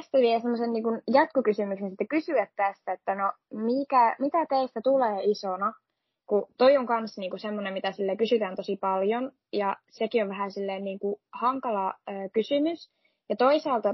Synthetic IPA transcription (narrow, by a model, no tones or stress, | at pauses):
st̪æʋielsemːosenniːŋkunjɑt̪kukysymyksensit̪ːækysyʋæt̪t̪æst̪æet̪ːænomikæmit̪æt̪eist̪æt̪uleːisonɑ | kut̪oioŋkɑnsniːŋkusemːonemmit̪æsilːekysyt̪æːnt̪osipɑljon | jɑsekioʋʋæɦæsilːeːnniːŋkuhɑŋkɑlɑøːkysymys | jɑt̪oisɑːlt̪ɑ